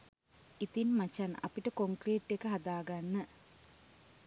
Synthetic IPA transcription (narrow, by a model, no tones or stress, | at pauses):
it̪inmat͡ʃana̰piʈəkoŋkriːʈːekəɦad̪aːɡanːə